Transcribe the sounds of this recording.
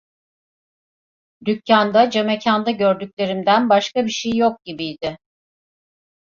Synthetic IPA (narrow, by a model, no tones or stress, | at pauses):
d̪ycːand̪ad͡ʒe̞mecʰand̪aɟø̞ɾd̪ycʲlʲe̞ɾimd̪ænbaʃkabiʃejjo̞k̚ɟ̥ibijd̪ɪ